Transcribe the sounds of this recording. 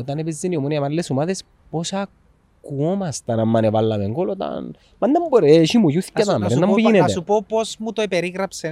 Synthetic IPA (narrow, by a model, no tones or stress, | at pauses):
ot̪anepezːiniomuniamalːesumaðes | posa | kkuomast̪anamːanevalːaðeŋɡolot̪a̰n | mand̪amboɾeʃimujuθkat̪anenːambujinet̪eupoposmut̪oepeɾiɣɾapse